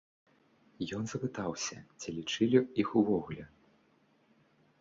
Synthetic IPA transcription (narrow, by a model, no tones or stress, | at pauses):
jɔnzɐpɨt̪awsʲɐ̰t͡sʲilʲit͡ʂɨlʲiixuvɔɣlʲɛ